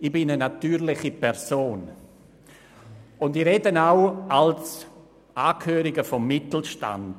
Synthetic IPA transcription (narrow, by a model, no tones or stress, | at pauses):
ɪb̥ɪnənatyːɾlɪχipʰɛɾsoːn | ʊndɪɾedənaʊals | ʔaːkʰhøːɾɪɡəfɔmːɪtl̩ʃta̰nd